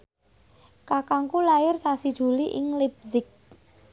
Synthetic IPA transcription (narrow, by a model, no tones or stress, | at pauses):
kakaŋkulaɪrsasid̥ʒ̥ṳliʔɪŋlib̚zɪk̚